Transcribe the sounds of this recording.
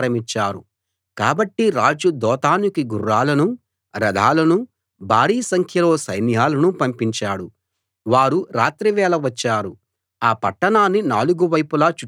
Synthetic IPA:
ɾɐmit͡ʃːaːɾṵ | kaːbɐʈːiɾaːd͡ʒud̪ɔːt̪aːnikiɡurːaːlɐnu | ɾɐd̪ʱaːlɐnu | baːɽiːsɐŋkʰjɐlo̞ːsɐjnijaːlɐnupɐmpiɲt͡ʃaːɽu | ʋaːɾuɾaːt̪ɾiʋɛːlɐʋɐt͡ʃːaːɾu | aːpɐʈːɐnaːnːinaːluɡuʋɐjpulaːt͡ʃu

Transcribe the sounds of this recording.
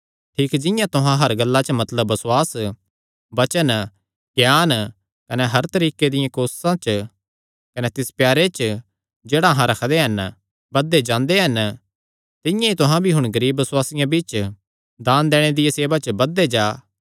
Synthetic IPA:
ʈʰiːkd͡ʒɪ̃jãt̪ʊɦãɦɐɾɡɐlːat͡ʃəmɐt̪ləbːɐsʊwaːs | bɐt͡ʃən | ɡjaːn | kɐnɛɦɐɾt̪ɐɾiːked̪ɪjãkoːssãt͡ʃ | kɐnɛt̪ɪspjaːɾet͡ʃ | d͡ʒeːɽaɦãɾɐkʰd̪eɦɐn | bɐd̪ed͡ʒãːnd̪eɦɐn | t̪ɪ̃jãit̪ʊɦãbʱiɦʊ̃ɽ̃ɡɐɾiːbːɐswaːsɪjãbiːt͡ʃ | d̪aːnd̪ɛːɽ̃ed̪ɪjaseːbat͡ʃəbɐd̪ːed͡ʒaː

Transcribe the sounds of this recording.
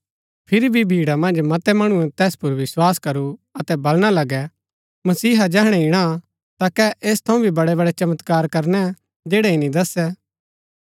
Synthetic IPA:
pʰɪɾibʱibʱiːɽamɐ̃nd͡ʒmɐt̪ɛmɐɽ̃ũɛ̃t̪ɛːspʊɾʋɪswaːskɐɾuɐt̪ɛbɐlɽ̃alɐɡɛ | mɐsiːɦad͡ʒɛːɦɽ̃ɛɪɽ̃a | t̪akɛʔeːst̪ʰɐ̃ũbʱibɐɽɛbɐɽɛt͡ʃɐmət̪kaːɾkɐɾnɛ | d͡ʒeːɽɛinĩd̪ɐsɛ

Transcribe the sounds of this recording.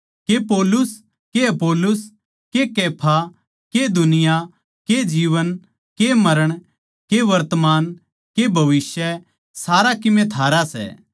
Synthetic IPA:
kepoːlʊs | keɐpoːlʊs | kekeːpʰa | ked̪ʱʊnɪja | ked͡ʒiːʋən | kemɐɾəɽ̃ | keʋɐɾt̪əmaːn | kebʱɐʋɪsjə | saːɾakɪmẽt̪ʰaːɾasɛ̰ː

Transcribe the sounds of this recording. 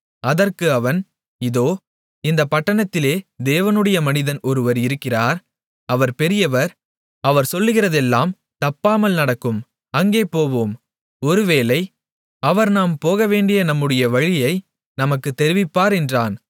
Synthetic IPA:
ɐðɐrkɯɐʋɐn | ɪðoː | ɪnd̪ɐpɐʈːɐɳɐt̪ːɪleːd̪eːʋɐnɯɽɐjɐmɐnɪðɐnɔɾɯʋɐɾɪɾɯkːɪraːɾ | ɐʋɐɾpɛɾɪjɐʋɐɾ | ɐʋɐɾsɔlːɯɣɪrɐðɛlːaːm | t̪ɐpːaːmɐlnɐɽɐkːɯm | ɐŋɡeːpoːʋoːm | ɔɾɯʋeːlɐɪ | ɐʋɐɾnaːmpoːɣɐʋeːɳɖɪjɐnɐmːɯɽɐjɐʋɐɻɪjɐɪ | nɐmɐkːɯt̪ːɛɾɪʋɪpːaːɾɛndraːn

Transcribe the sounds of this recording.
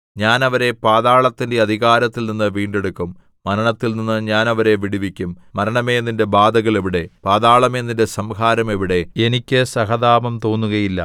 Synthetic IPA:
ɲaːnɐʋɐɾe̞paːðaːɭɐt̪ːinde̞ɐd̪ʱiɣaːɾɐt̪ːilninːɨʋiːɳɖe̞ɽukːumː | ɐɾɐɳɐt̪ːilninːɨɲaːnɐʋɐɾe̞ʋiɽiʋikʲːumːɐɾɐɳɐme̞ːnːinde̞baːd̪ɐɣɐɭeʋiɽe̞paːðaːɭɐme̞ːnːinde̞sɐmɦaːɾɐme̞ʋiɽe̞e̞nikʲːɨsɐɦɐðaːʋɐmt̪o̞ːnːuɣɐjilːɐ̰

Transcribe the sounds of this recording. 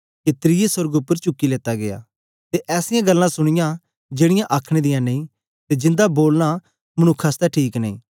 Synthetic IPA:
kit̪ɾɪjesʊɾəɡʊpːəɾt͡ʃʊkːileːt̪aɡeja̰ː | t̪eʔɛːsɪjãɡɐlːãsʊɽ̃ɪjã | d͡ʒeːɽ̃ɪjãʔaːkʰɽ̃ed̪ɪjãnẽĩ | t̪ed͡ʒɪ̃nd̪aboːlña | mɐñʊkʰːast̪ɛʈʰiːknɐ̃ḭ̃ː

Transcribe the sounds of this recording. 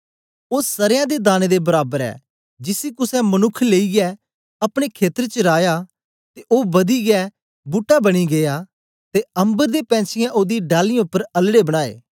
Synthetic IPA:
oːsɐɾjãd̪ed̪aːned̪ebɐɾaːbəɾɛ̰ː | d͡ʒɪsikʊsɛmənʊkʰːleːiɡɛ | ɐpɽ̃ekʰeːt̪əɾet͡ʃəɾaːjaː | t̪eʔoːbɐd̪iɡɛː | buːʈːabɐɽ̃iɡeja | t̪eɐ̃mbəɾd̪epɛ̃ːt͡ʃʰɪjãʔoːd̪iɖaːlɪãʊpːəɾɐlɽebəɽ̃aːḛː

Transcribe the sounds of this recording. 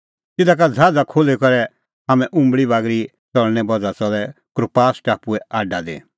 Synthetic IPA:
t̪ɪd̪ak̬ad͡zʱaːd͡zakʰoːlekɔɾɛ | ɦamɛ̃ʔʊ̃mbɭibaːɡɾi | t͡sɔɭnɛbɔd͡zat͡sɔlɛ | kɾʊpaːsʈaːpuɛaːɖad̪ḛ

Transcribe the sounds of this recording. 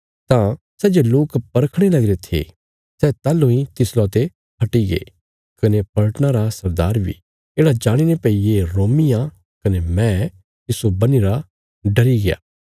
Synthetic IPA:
t̪ã | sɛːd͡ʒeloːkpɐɾkʰɽ̃elɐɡɾet̪ʰḛ | sɛt̪aːlːoĩt̪ɪslɔt̪e | ɦɐʈiɡḛː | kɐnepɐlʈñaɾasɐɾd̪aːɾbʱḭ | eːɽad͡ʒaːɽ̃inepɛijeɾoːmɪjã | kɐnemɛ̃ | t̪ɪsobɐniɾa | ɖɐɾiɡɪja̰ː

